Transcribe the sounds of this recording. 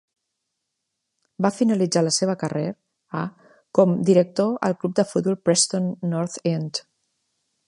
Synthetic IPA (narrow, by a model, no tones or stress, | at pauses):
bafinəlid͡zaləseβ̞əkəreɾ | a | kɔmd̪iɾək̚t̪oə̰lˠklup̚d̪əfut̪̚bɔlˠpɾɛst̪onːɔɾt̪ent̪